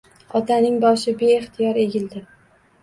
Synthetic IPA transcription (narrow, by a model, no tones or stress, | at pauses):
ɒt̪anɪŋbɒʃɪbe̞ːχt̪ʰɪjɒɾe̞ɡʲɪld̪ɪ